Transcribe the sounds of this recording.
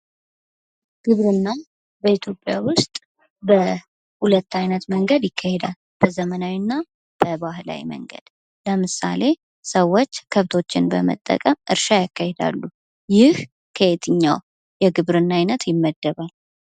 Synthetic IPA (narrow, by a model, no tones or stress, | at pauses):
ɡ̥ɨβɾɨnːa | bəit̪ʰjo̞pʼːjawʊst̪ʼ | bə | hulət̪ːajnət̪məŋɡəd̪jɪkːahed̪al | b̥əzəmənawinːa | b̥əbahla̰wḭmə̰ŋɡə̰d̪̥ | ləmɨsa̰le̞ | səwːo̞t͡ʃːkʰəβt̪ʰo̞t͡ʃːɪnbəmə̰t̪ʼːə̰kʼəmʔɨ̰ɾʃajakːahed̪a̰lːu | jɪh | kʰəet̪ʰɨɲːaw | jɛɡɨβɾɨnːajnət̪jɪmːəd̪ːəβal